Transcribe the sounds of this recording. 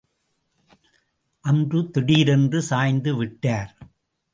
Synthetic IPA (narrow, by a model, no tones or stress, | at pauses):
ʔɐndrɯt̪ɪɽiːɾɛndrɯsaːjnd̪ɯʋɪʈːaːɾ